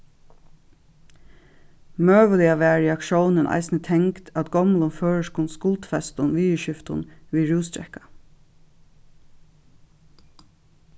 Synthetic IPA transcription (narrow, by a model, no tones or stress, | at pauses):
møːʋəlɪaʋɛːɹɪakʃoːwnənʔɑ̰ɪsnət̪ʰɛŋkt̪ʰæt̪ɡɔmlʊnføːɹəʂkʊnskʊlt̪fɛst̪ʊnʋiːəʃʏft̪ʊnʋiːɹuːst̪ɾɛ̰hkḁ